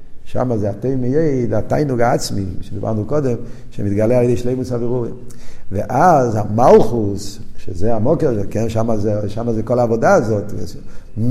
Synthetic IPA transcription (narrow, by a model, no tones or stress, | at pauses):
ʃa̰mazeateɪmɪjeɪdata̰ɪnuɡaat͡smiʃediba̰ʁnukɔdɛmʃemidtɡaleaʁeɪdeʃleɪmusabiʁuʁimveʔazamalˠχusʃezeamɔkɛʁkɛnʃamazeʃamazekɔlˠaːvodaːzɔt